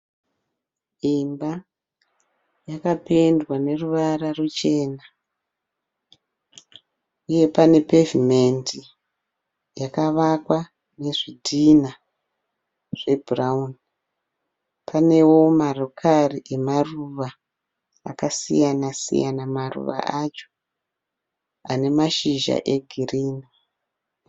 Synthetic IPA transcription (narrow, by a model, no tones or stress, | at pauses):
imba | jakapendwane̞ruʋaɾarut͡ʃe̞ːna | uje̞pane̞pe̞vime̞nti | jakaʋakwa | ne̞ʐidʱina | ʐ̥e̞bʱuraun | pʰane̞wo̞marokʰariʔe̞maruʋa | akasḭjanasḭja̰namarṵʋa̰ʔat͡ʃo̥ | ane̞maʃiʒa̰ʔe̞ɡʱiriːni